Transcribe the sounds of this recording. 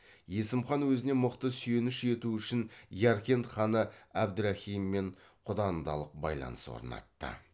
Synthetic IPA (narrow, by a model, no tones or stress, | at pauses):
je̞sɪmχɑnwɵzɪne̞mʊqt̪əsʏje̞nɪʃe̞t̪uʏʃɪnjɑɾkʲe̞nt̪χɑnəæb̚d̪ʊɾahʲijmːe̞ɴ | qʰʊd̪ɑnd̪ɑ̰lˠəq̚bɑ̰jlˠɑ̰nəswo̰ɾənɑ̰t̪ːə̰